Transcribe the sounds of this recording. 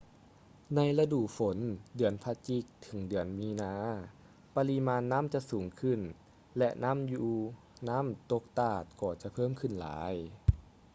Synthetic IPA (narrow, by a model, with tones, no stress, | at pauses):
na˧jla˧duː˨˩fo˩˦ndɯ˨˩˦ənpʰa˧t͡ɕi˧˩k̚t̪ʰɯ˩˦ŋdɯ˨˩˦ənmiː˧naː˧˥ | pa˧li˧˥maː˧nːa˦˥˨mt͡ɕa˧˨suː˨˩˦ŋkʰɯ˧˩n | lɛ˧ʔna˦˧˥mjuː˧ | na˦˥˨mt̪o˧k̚t̪aː˧˩t̪̚kɔː˧˩t͡ɕa˨˧˦pʰɤː˥˨mkʰɯ˧˩nla̰ː˩˨˦j